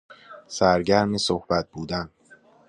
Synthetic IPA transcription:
sæɾɟæɾmesohb̥æt̪̚buːd̪æn

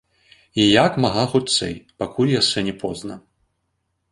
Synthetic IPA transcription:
ijakmaɣaxut̪sɛ̰jpakulʲjaʂɛnʲɛpʰɔznɐ

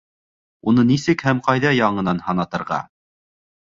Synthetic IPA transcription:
unɤnisɘkhæmqɑjðɑjɑɴɤ̆nɑnhɑnɑt̪ɤ̆ɾʁɑ̰

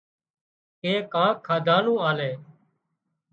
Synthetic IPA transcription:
keːkãːkʰːaːd̪ʱaːlũːaːleː

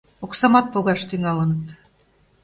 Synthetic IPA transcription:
oksɑmɑt̪̚poɣɑʃt̪yŋɑlənət̪

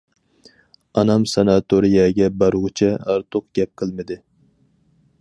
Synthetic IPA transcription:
ɑnɑmsɑnɑt̪ʰoɾijɛɡʲɛbɑɾʁʊt͡ʃʰɛɑɾt̪ʰoq̚ɡʲɛp̚qʰəlˠmɨd̪ɪ

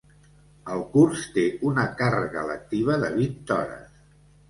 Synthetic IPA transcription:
əlˠkurst̪eunəkarəɣələ̰k̚t̪iβ̞əðəβint̪ɔ̰ɾə̰s

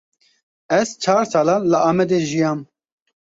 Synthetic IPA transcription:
ɛzt͡ʃʰaːɾsaːlaːləʔaːmɛd̪eːʒijaːm

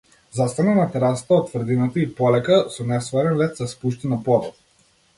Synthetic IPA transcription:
zast̪ananat̪ɛɾast̪aɔt̪ːvrd̪inat̪əipɔlɛkasɔnɛsvaɾɛnlɛt̪saspuʃt̪inapɔd̪ɔt̪̚

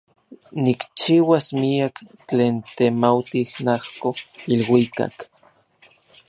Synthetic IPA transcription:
nikt͡ʃiwasmiakt͡ɬeːnt̪emawt̪ihnahkoilwika̰k

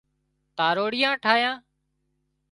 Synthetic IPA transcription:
t̪aːɾoːɽɪjãːʈʰaːjãː

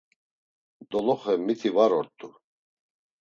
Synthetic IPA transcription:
d̪ɔlɔχɛmːit̪ʰivaɾɔɾt̪ʼu

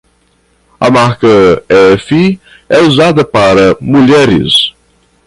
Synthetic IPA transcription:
ɐ̰maɾkɐɛfi | ɛuzad̪ɐpaɾɐmuʎɛɾɪ̰s

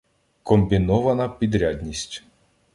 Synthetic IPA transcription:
kɔmbʲinɔʋɐnɐpʲid̪ɾʲadʲnʲisʲtʲ

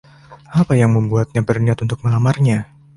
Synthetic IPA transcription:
apajaŋməmbuat̪̚ɲabərniat̪unt̪ʊk̚məlamarɲa

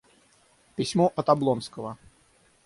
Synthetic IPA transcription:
pʲɪsʲmɔʔɐt̪ɐblˠɔnskəvə

